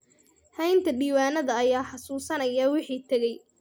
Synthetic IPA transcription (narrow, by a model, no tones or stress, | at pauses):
hɛjnt̪ʰɐɖiːwaːnɐðɐːjaːħɑsuːsɐnɐjɐwɪħiːt̪ʰɐɣɛj